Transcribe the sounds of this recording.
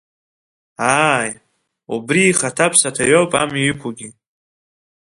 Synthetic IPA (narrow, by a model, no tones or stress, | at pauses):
aj | ubɾiːχatʰapʰsatʰajowpʼa̰miikʷʰuɡʲi